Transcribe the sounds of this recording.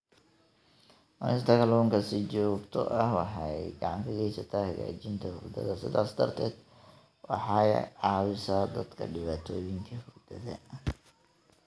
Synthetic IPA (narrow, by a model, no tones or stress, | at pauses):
ʔɐnɪnt̪ʰɐkɐlɔŋkʰɐsɪt͡ʃɔːɡt̪ʰɔ̰ʔɐhwɑħɑjɡɑʕɑŋkʰɐɡɛjsɐt̪ʰaːhɐɣa̰ːt͡ʃɪnt̪ʰɐhʊ̰ɡd̪ɐ̰ðɐsɪðaːsd̪ɐ̰rt̪ʰɛːd̪̥ | wɑ̰ħɑʕɑːwɪsaːd̪ɐd̪kʰɐ̰ɖɪβaːt̪ʰɔːjɪŋkʰɐhʊɡd̪ɐðɐ